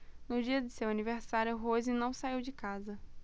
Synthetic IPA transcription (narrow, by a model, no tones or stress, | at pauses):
nʊd͡ʒiɐd̪ɪsewaniveɾsaɾjʊɦozɪnɐ̃w̃saiwd͡ʒɪkazɐ